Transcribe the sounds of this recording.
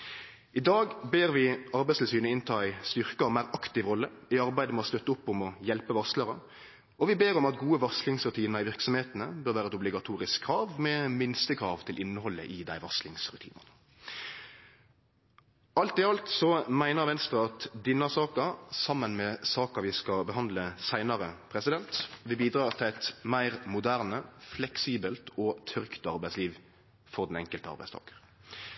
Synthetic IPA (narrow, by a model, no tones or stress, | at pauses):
ɪd̪ɑːɡbeːʁʋɪɑɾbæɪslsyːnəɪnt̪ʰɑːæɪst̪ʏʁkəɔmæɪɾɑkt̪ɪʋɾɔlːəɪɑɾbæɪd̪əmɔst̪œt̪ːəʊpːɔmɔjɛlpəʋɑsləʁə | ɔʋɪbeːɾɔmɑt̪ɡuːəʋɑslɪŋsʁʉt̪ʰiːnəɾɪʋɪʁksɔmheːt̪ənə̰bøːʁʋæːɾəɛt̪ʊblɪɡɑt̪ʰuːɾɪskʰːɾɑːʋmɛmɪnst̪əkʰʁɑːʋt̪ʰɪlʔɪnːəhɔlːə̰ʔɪd̪æɪʋɑslɪŋsɾʉt̪ʰiːnənə | ɑlt̪ɪɑlt̪sɔmæɪnəʋɛnst̪ʁəɑt̪d̪ɪnːɑsɑːkɑsɑmːənmɛsɑːkɑʋɪskɑbəɦɑnd̪ləsæɪnɑɾəpʰɾɛsɪd̪ɛnt̪ʋɪbiːd̪ɾɑːʁt̪ʰɪlæɪt̪mæɪʁmʊd̪æʁnəflɛksiːbəlt̪ʰɔt̪ʰœʁkt̪ɑʁbæɪsliːʋ | fɔʁd̪ɛnɛŋkəlt̪əɑ̰ʁbæɪst̪ʰɑ̰ːkə̥ʁ